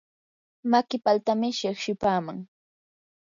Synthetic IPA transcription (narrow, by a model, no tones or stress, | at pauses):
makɪpalt̪amɪʃɪχʃɪpaːmaŋ